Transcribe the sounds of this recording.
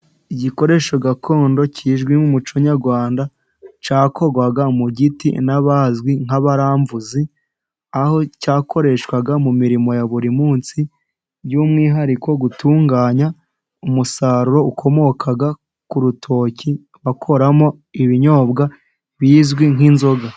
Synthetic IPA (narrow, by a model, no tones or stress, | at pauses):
iɟiko̞ɾe̞ːʃoɡakʰo̞ːndo̞ciːʒɡwimumut͡ʃoɲaɾɡwaːnda | t͡ʃaːkʰo̞ɾɡwaɡamuɟitḭnaβazɡwiŋ̥aβaɾaːɱvuzi | aho̞caːko̞ɾe̞ʃkwaɡamumiɾimo̞jaβuɾimuːnsi | bjumŋiːɦaɾikʰo̞ɡutʰuːŋɡaːɲa | umusaɾuɾo̞ukʰo̞mo̞kʰaɡa | kuɾutʰo̞ːci | βakʰo̞ɾamo̞ | iβiɲo̞ːbɡa | βiːzɡwiŋɦinzo̞ɡa